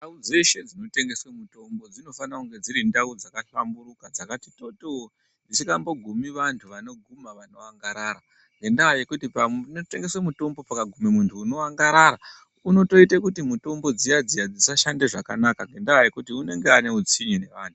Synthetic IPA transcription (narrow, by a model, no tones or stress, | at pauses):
ndaud͡ze̞ʃe̞d͡zino̞te̞ŋɡe̞swemuto̞mbo̞d͡zino̞fanakuŋɡe̞d͡ziɾindaud͡zakaɬambuɾukad͡zakatito̞too | ndit͡ʃikambo̞ɡʱumiʋantʰuʋano̞ɡʱumaʋano̞aŋɡaɾaːɾa | ŋɡe̞ndaaje̞kutipanote̞ŋɡe̞swemuto̞mbo̞pakaɡʱumimuntʰuːno̞aŋɡaɾaɾa | uno̞to̞itakutimuto̞mbo̞d͡zijad͡zijad͡zisaʃandeʐakanakaŋɡe̞ndaaje̞kutiune̞ŋɡeane̞ut͡siɲine̞ʋaːntu